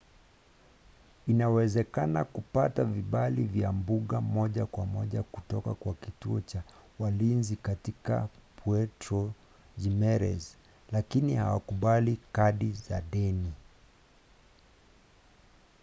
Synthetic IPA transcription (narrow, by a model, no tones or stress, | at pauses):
inawɛzɛkanakupataviɓalivjambuɠamɔʄakwamɔʄakutɔkakwakituɔt͡ʃawalinzikatika̰puɛtɾɔ | d͡ʒimɛɾɛ̰z | lakiniha̰wakuɓalikaɗiza̰ɗɛni